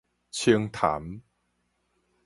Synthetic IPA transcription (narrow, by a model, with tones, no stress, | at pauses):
t͡ɕʰi˧əŋt̪ʰa̰˨˦m